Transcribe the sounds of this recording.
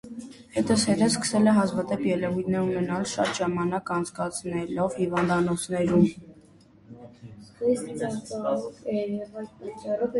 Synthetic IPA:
hɛt̪əshɛt̪ɛskə̥sɛlɛɦɑzvɑd̪ɛpjɛlɛvujt̪ʰnɛɾunɛnɑlʃɑ̰t̪ʒɑmɑnɑkɑnt͡sʰkɑt͡sʰnɛlɔvhivɑnd̪ɑnɔt͡sʰnɛɾum | hust̪t͡sɑɾt͡sɔɾɑɔɛɾɛvɑlpɑt͡ʃːɑrɔv

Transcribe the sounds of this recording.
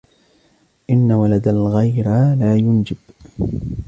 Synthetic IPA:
ʔɪnːawalad̪alɣajɾalaːjʊnd͡ʒɪb̥

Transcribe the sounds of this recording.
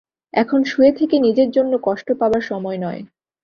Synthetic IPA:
ɛkʰonʃuet̪ʰekenid͡ʑeɾd͡ʑonːokɔʃʈopaoaɾʃɔmɔenɔe

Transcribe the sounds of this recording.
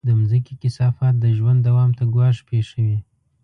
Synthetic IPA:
d̪əmzəkikɪsɑfɑt̪̚d̪əʒwand̪ːawɑmt̪aɡwɑʂpeʂəwi

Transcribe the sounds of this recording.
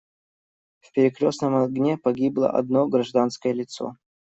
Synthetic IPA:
fpʲɪɾʲɪkɾʲosnəmɐɡnʲepɐɡʲiblˠə̰ʔɐ̰d̪noɡɾɐʐd̪anskəjəlʲɪt̪so̰

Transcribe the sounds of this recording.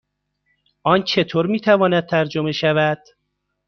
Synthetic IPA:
ʔɒːnt͡ʃʰe̞t̪ʰoːɾmiːt̪ʰævɒːnæd̪̚t̪ʰæɾd͡ʒome̞ʃævæd̪̥

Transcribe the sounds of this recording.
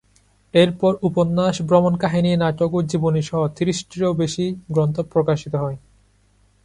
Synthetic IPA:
eɾpɔɾuponːaʃbɾɔmonkaɦininatokoɾd͡ʑiboniʃɔɦot̪ʰiɾiʃʈiɾowbeʃiɡɾɔnt̪opɾokaʃit̪oɦɔe

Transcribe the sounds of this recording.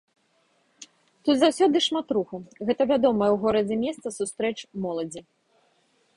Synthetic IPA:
t̪ut̪zawsʲɔd̪ɨʂmat̪ɾuxuɣɛt̪ɐvʲad̪ɔmɐjɛwɣɔɾɐd͡zʲɛmʲɛst̪sɐsust̪ɾɛt͡ʂmɔlˠɐd͡zʲi

